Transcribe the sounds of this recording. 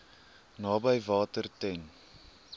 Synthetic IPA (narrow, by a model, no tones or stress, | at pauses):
nɑːbəjvɑːtərtɛn